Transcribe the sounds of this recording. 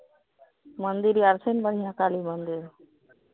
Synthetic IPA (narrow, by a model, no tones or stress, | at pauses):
mənd̪iɾiaɾsʰenbəɽ̤ijakalimənd̪iɾ